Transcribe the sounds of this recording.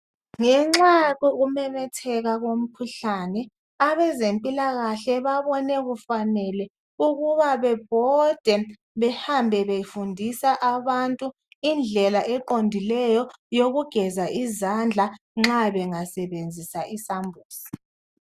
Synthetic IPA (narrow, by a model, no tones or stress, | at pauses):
ŋɛŋ͡ǁaɣɔɣumɛmɛtʰɛɣaɣom̩kʰuɬanɛ | aβɛzempʼilaɣaɬɛβaβɔnɛɣufanɛlɛ | uɣuβaβɛb̥ʱɔd̥ʱɛ | βɛhambʱɛβejifundʱisaʔaβantʼu | ind͡ɮʱɛlaʔɛǃondʱilɛjɔjoɣuɡ̥ʱɛzaʔizand͡ɮʱa | ŋ͡ǁaβɛŋasɛβend͡zʱisaʔisambʱuːsi̥